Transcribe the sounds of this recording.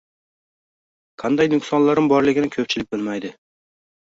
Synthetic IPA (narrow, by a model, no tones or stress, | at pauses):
qʰɑnd̪ajnʊksɒnlaɾɪmbɒɾlˠɪɡʲɪnɪkʲʰɵp̚t͡ʃʰɪlɪk̚ʲbɪlmajd̪ɪ